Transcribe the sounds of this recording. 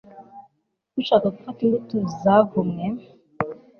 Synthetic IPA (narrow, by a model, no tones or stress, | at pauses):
ut͡ʃakaɡufatindituzaɡumŋe